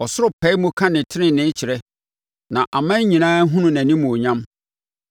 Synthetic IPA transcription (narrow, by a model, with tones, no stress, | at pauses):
ɔ˨sʊ˦ɾʊ˦pʰɛ˨˦mũ˦kʰã˦nɪ̃˨tʰɪ˦ɪ̃˦nɪ̃˦t͡ɕʰɪ˨ɾɛ˦ | nã˨ʔa˨mã˦ɲĩ˨nãː˦ɦʊ̃˦nʊ̃˨næ̃˨nĩ˦mũ˨ɔ˨ɲã˦m